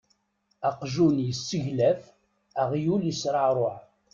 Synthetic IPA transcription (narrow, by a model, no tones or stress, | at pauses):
æqʒunjəsːəʝlæf | æʁjuljəsɾˤəʕɾˤoħ